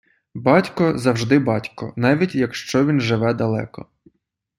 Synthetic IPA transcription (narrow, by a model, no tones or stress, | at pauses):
bɑtʲkɔzɐwʒd̪ɪbɑtʲkɔ̰nɑʋʲitʲjɐkʃt͡ʃɔʋʲinʒɪʋɛd̪ɐlˠɛ̰kɔ̰